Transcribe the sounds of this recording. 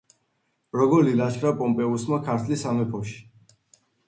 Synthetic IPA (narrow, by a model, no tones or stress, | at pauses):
ɾɔɡɔɾlilaʃkʰɾapʼɔmpʼɛusmakʰaɾt̪ʰlisamɛpʰɔʃi̥